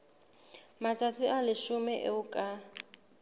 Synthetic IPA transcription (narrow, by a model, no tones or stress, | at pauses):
matʰʼat͡sʼiʔalɪʃʊmɛʔḛʊkʼa